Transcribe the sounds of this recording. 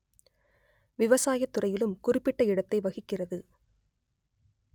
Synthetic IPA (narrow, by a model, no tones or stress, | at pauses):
ʋɪʋɐsaːjɐt̪ːɯrɐjɪlɯmkʊrɪpːɪʈːɐɪɽɐt̪ːɐɪʋɐɣɪkːɪrɐðɯ